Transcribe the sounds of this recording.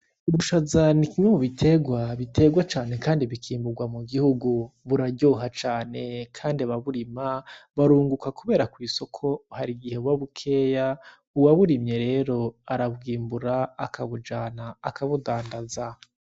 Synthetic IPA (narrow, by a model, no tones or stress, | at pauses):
uβuʃazanikiŋweβuβitʰe̞ɡwaβitʰe̞ɡwat͡ʃaːne̞kaːndiβikʰiːmbuɡwamuɡihuɡuβuɾaɟo̞ːɦat͡ʃaːne̞kʰaːndiaβaβuɾimaβaɾuːŋɡukakuβe̞ːɾakwiːso̞kʰo̞haɾiɡihe̞βwaβukʰe̞ːja | uwaβuɾimɲe̞ɾe̞ːɾo̞aɾaβɡiːmbuɾaakʰaβud͡ʒanaːkaβudaːndaza